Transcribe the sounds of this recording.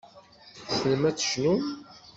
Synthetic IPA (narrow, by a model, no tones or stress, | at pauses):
sənmæt͡sːʃnu